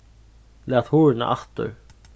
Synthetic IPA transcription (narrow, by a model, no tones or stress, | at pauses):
lat̪huːɹɪna̰ʔaht̪ʏ̰ɾ